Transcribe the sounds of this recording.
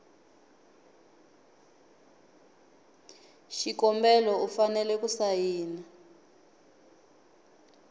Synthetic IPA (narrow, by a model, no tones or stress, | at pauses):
ʃikɔmbɛlɔufanɛlɛkusajiːna